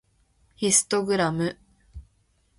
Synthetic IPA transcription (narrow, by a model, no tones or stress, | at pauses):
hisɨ̥t̪oɡɯ̟ɾamɯ̟